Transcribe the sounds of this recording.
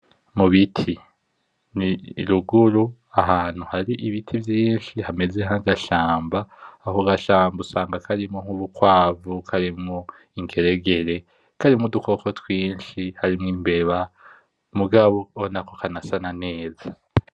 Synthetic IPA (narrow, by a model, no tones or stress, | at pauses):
muβitʰi | niɾuɡuɾu | aɦaːn̥huhaɾiʔiβitʰivjiːnʃihame̞zehaɡaʃaːmbaːɦoɡaʃaːmbusaːŋɡakʰaɾimoŋ̥uβukwaːvukʰaɾimŋo | iŋɡe̞ɾe̞ɡe̞ɾe̞ | kaɾimŋudukʰo̞ko̞twiːnʃihaɾimŋiːmbe̞βa | muɡaβoonako̞kʰanasanane̞ːza